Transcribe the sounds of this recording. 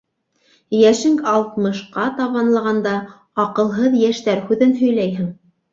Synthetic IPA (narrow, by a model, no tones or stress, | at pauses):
jæʃɘŋkɑlˠt̪mɤ̆ʃqɑt̪ɑβɑnlˠɑʁɑnd̪ɑ | ɑqɤ̆lˠɦɤðjæʃt̪æɾhʉðɘnɦɵ̆jlæjɦɘŋ